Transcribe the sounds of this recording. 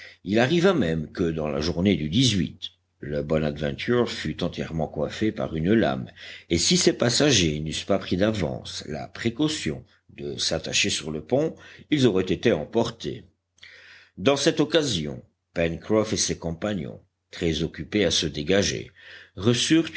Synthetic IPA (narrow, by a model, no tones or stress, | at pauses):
ilaʁivamɛmkəd̪ɑ̃la̰ʒuʁned̪yd̪izɥḭt̪ | ləbɔnad̪vɛ̃t̪ʰyʁfyt̪ɑ̃t̪jɛʁmɑ̃kwafepa̰ʁynla̰mesisepasaʒenyspapχid̪avɑ̰̃sla̰pχekɔsjɔ̰̃ | d̪əsat̪aʃesyʁləpɔ̃ilzɔʁɛt̪et̪eɑ̃pɔʁt̪ḛ | d̪ɑ̃sɛt̪ɔkazjɔ̰̃ | pɛnkχɔfesekɔ̃paɲɔ̰̃ | t̪χɛzɔkʲypeasəd̪eɡaʒḛʁəsyʁ